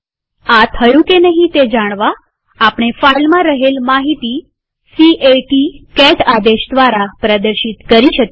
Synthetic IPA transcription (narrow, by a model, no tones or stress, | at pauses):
at̪ʰəjũkenəɦĩt̪ed͡ʒaɽ̃ʋaː | pɽ̃efajlmãɾəɦelmaɦit̪i | siʔeʈikɛʈad̪eʃd̪ʋaɾapɾəd̪əɾɕit̪kəɾiʃək